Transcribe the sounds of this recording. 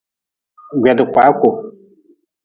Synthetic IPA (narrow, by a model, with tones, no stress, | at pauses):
ɡʷɛ˨dɪ˨kʷa˨˦ko˨